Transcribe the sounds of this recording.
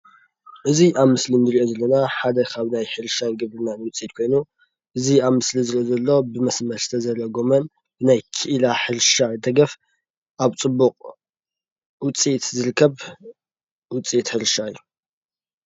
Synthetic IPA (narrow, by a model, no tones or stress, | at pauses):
ʔɨziʔaβmɨslinɨɾiʔo̞zɐlːɐnaħad̪ɐkʰaβnajħɨɾʃanɡɨβɾɨnanɨwʊt͡sʼit̪̚kʰo̞jnu | ʔɨziaβmɨslizɨɾiʔozɐlːo̞bɨmɐsmɐɾsɨt̪ʰɐzɐɾɐɡo̞mɐn | b̥ɨnajkʰiʔlaħɨɾʃad̪ɐɡɐf | ʔaβt͡sʼɨbːuqʼ | wʊt͡sʼit̪zɨɾɨkʰːɐβ | wʊt͡sʼit̪ħɨɾʃaɨjːu